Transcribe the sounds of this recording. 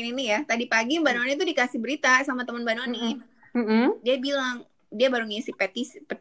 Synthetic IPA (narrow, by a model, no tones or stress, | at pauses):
ninijat̪adipaɡibanonit̪udikasɪhbəɾit̪asamat̪əmənbanoni | m̩m̩diabilaŋ | diabaɾuŋasipet̪ispə